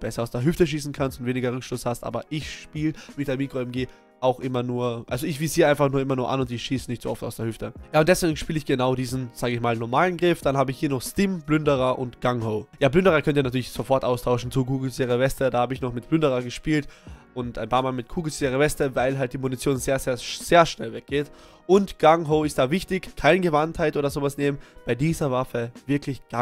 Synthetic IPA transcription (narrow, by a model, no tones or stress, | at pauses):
b̥ɛsɐaʊsd̥eːɐɦʏftəʃ̬iːsn̩kʰanstʊntv̥eːnɪɡɐʁʏkʃtɔshastʔa̰ːbɐʔɪçʃpiːlviːçd̥ːɐmiːkʁ̥oɛmɡeː | ʔaʊxʔɪmɐnuːɐʔa̰lzoɪçv̥iːsiːʔaɪnfaχnuːɐɪmɐnuːɐʔa̰nʊntz̥ɪçʃiːsənɪçtz̥o̰ɔfta̰ʊsd̥eːɐhʏftəjaːʊntd̥ɛsv̥eːɡŋ̩ʃpiːlɪçɡ̥ənaʊdiːzn̩z̥aːɡəɪçmaːlnɔɐmaːlənɡʁɪfd̥anhaːbəɪçhiːɐnɔχstɪmblʏndəʁɐʔʊntɡ̥aŋhoʊjaːblʏndəʁɐkʰœntənatʰyːɐlɪçz̥ofɔɐtʔaʊstʰaʊʃn̩t͡sukʰuːɡl̩seːʁəvɛstədaːhaːbəɪçnɔχmɪt̚b̥lʏndəʁɐɡəʃpiːltʔʊntʔaɪnpʰaːɐmaːlmɪt̚kʰuːɡl̩seːʁəvɛstəvaɪlɦalt̚d̥iːmunit͡sjoːnzeːɐzeːɐz̥eːɐʃnɛlvɛk̚ɡ̥eːt | ʔʊntɡ̥aŋɦoʊɪst̚d̥aːvɪçtɪçkʰaɪnəɡəvanthaɪtʔoːdɐzoːvasneːmənb̥aɪdiːzɐvafəvɪɐkʰlɪçɡ̥a